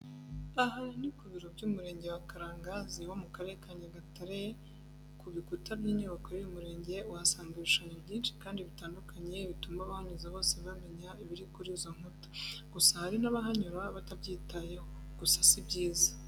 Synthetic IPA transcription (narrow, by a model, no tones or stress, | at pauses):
aɦanikuβiɾo̞bɟuːmuɾe̞ːɲɟe̞wakaɾaːŋɡaziwo̞mukaɾe̞ɾekaɲaɡataɾe | kuβikutabjiːɲuβakoɾijumuɾe̞ːɲɟe̞uasaːŋɡaβiʃaɲobɟiːnʃi̥kaːndiβitaːndukʰaɲe̞βituːmbaβahaɲuzaβo̞ːseβame̞ɲaiβiɾikuɾiːzo̞ŋ̥hutḁɡ̥usahaɾinaβaɦaɲuɾaβatabɟiːtaje̞ho | ɡ̥usḁsibɟiːzḁ